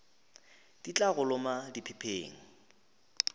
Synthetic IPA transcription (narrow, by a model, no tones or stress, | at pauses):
d̥it͡ɬʼaɣʊlʊmadɪpʰɪpʰeːŋ̩